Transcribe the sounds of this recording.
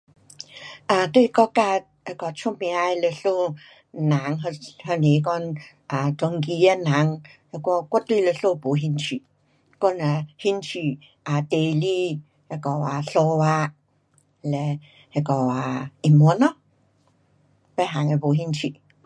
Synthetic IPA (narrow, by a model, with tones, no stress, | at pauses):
a˨t̪wi˦˧kɔ˦ka˦˧ | he˧kɔ˨t͡ʃʰu˦mĩ˧a˧e˧le˧ɬo˦˧ | nã˨˦ŋɦhə˧ni˨˦˧k̬ɔ˦n | a˨tɔ˧ŋ˦ki˧a˧nã˨˦ŋhe˧kʷɔ˧˦kʷɔ˦t̪wi˦˧˨le˧ɬo˧po˨˦ɦi˧nt͡ʃʰi˨ | kɔ˦na˨hi˦nt͡ʃʰi˨ | a˨t̪e˧˨˧li˦ | he˧kɔ˨a˨ɬo˧wa˧ | lɛ˧ | he˧kɔ˨a˨i˨mu˨˧˦nɔ̃˦ | pɛ˦ɦa˨˦ŋe˧po˨˦ɦi˧nt͡ʃʰi˨